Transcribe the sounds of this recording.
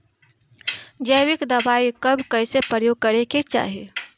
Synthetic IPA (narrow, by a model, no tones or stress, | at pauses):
d͡ʒəjwɪkd̪ɐbaːikəbkəɪsepɾəɾəjoːɡ̚kəɾeket͡ʃa̰ːɦi